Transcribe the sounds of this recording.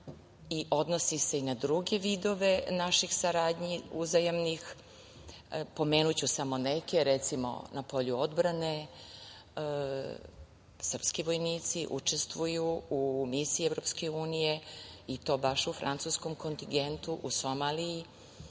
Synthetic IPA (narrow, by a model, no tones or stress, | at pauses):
iʔo̞d̪nosise̞inad̪ɾuɡe̞ʋid̪o̞ʋe̞naʃixsaɾaːd̪ɲiuzajamnix | po̞me̞ːnut͡ɕusamo̞neke̞ɾet̪simo̰napo̞ʎuo̞d̪bɾane̞ | sərpskiʋo̞jniːt̪siʔṵt͡ʃe̞st̪ʋujuumisievɾo̞pskeuːnije̞it̪o̞ːbaʃufɾʔa̰nt̪susko̞mko̞nt̪iŋɡe̞nt̪uʔuso̞maːliji